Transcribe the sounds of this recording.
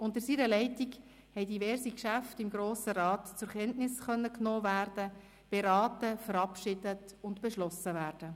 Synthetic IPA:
ʊntəɾsiːɾəlɛɪtiɡ | hɛɪdivɛɾsikʃæftɪmɡɾoːsəɾɑːtt͡sʊɾkɛntnɪsχœnːəknoːvæːrd̥ə | b̥eɾɑːtəfəɾɑpʃɪdət | ʊntb̥eʃlɔsəvæːɾd̥ə

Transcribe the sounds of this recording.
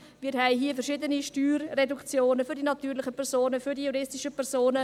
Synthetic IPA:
mɪːɾɦɛɪɦiəfɛɾʃɪdəniʃtyːɾːedukt͡sjoːnəfʏɾdinɑt̪yːɾlɪχəpʰɛɾsoːnəfyɾdijuɾɪstɪʃəpʰɛɾsoːnə

